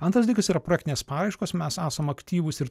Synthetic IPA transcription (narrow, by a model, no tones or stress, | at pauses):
ɐnt̪ɾɐsd̪ʲikɐsiːɾɐpɾoːjækt̪ʲɪnʲeːspɑːɾɐɪʃkoːsmʲɛsæːsɐmɐkt̪ʲiːʋʊsɪɾ